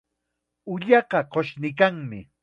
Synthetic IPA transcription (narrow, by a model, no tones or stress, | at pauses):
ʊʎɑqɑqoʃnɪkaŋmɪ